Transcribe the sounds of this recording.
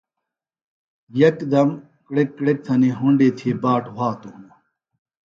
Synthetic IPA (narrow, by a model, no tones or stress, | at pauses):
jɐkd̪ɐm | kɽekːɽek̚t̪ʰɐneɦʊɳɖeːt̪ʰeːbaːʈʰwaːt̪unɐ